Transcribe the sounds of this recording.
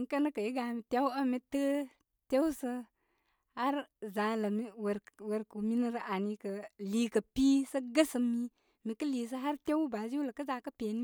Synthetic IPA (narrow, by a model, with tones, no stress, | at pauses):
i˨ŋ˦kə˦nə˦kə˨i˦ɡa˨mi˨te˦wə˦mi˦tə˦ | te˦wsə˦ | ha˦ɾza˨˦lə˨mi˦wɾwe˨ɾku˨mi˦nə˦ɾə˨ʔa˨ni˨kə˨li˨˦kə˨pi˦sə˦ɡə˦sə˨mi˦ | mi˨kə˦liː˨s̬ə˦ɦa˦ɾte˦wba˨zlə˨kə˦za˨˦kə˦pe˨n˦